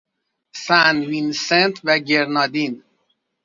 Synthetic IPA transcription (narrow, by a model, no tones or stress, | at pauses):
sænvinsent̪ʰvæɟeɾnɒːd̪in